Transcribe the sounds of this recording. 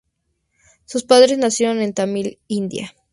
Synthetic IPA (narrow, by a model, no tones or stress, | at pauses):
suspaðɾe̞znasjeɾo̞ne̞nt̪amilind̪ja̰